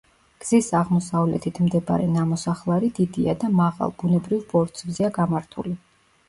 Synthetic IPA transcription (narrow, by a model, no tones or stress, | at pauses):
ɡ̥z̥isaʁmɔsavlɛ̰t̪ʰit̪ʰmd̪ɛba̰ɾɛnamɔsaχlˠaɾid̪id̪ia̰d̪amaʁa̰lˠbunɛbɾivbɔɾt̪sʰvziaɡamaɾt̪ʰṵli